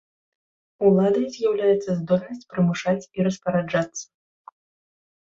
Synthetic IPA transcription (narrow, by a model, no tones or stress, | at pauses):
ulˠad̪ɐjzʲjawlʲajɛt̪sːɐzd̪ɔlʲnɐsʲt͡sʲpɾɨmɨʂat͡sʲiɾɐspɐɾad͡ʐat̪sːɐ̥